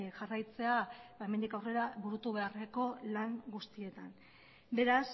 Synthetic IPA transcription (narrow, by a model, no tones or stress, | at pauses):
ʝarajt͡se̞aβae̞me̞nd̪ikawre̞ɾaβuɾut̪uβ̞e̞areko̞laŋɡust̪ie̞t̪an | be̞ɾas